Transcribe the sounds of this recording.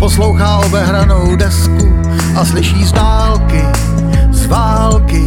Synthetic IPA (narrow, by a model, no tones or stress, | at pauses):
poslo̞wxaːʔo̞bɛɦɾanowdɛsku | ʔaslɪʃiːzvaːlkɪ | zvaːlkɪ